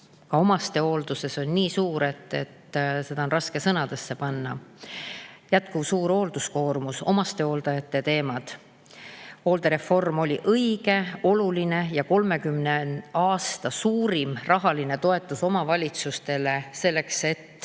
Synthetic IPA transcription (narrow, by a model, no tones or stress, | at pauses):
kɑomɑst̪e̞o̞ːld̪̥use̞so̞nʲːiːsuːɾe̞t̪ːe̞̰t̪ːse̞d̪̥ɑo̞nrɑske̞sɤnɑd̪̥e̞sːe̞pɑnːɑ | jæt̪ˑkuvsuːɾo̞ːld̪̥usko̞ːrmuso̞̰mɑst̪e̞oːld̪ɑjɑt̪ːe̞t̪e̞ːmɑd̪̥ | o̞ːld̪e̞ɾe̞fo̞rmo̞lʲiʔɤiɡ̥e̞o̞luline̞jɑko̞lme̞kymnenɑːst̪ɑsuːɾimrɑɦɑline̞t̪o̞e̞t̪ːˑuso̞mɑvɑlʲit̪sust̪e̞le̞se̞lːe̞kse̞t̪ːˑ